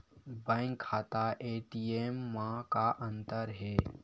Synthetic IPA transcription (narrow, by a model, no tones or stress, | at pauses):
bɛ̃ːŋkʰːaːt̪aʔeːʈieːmːãkaʔə̃nt̪əɾɦɛː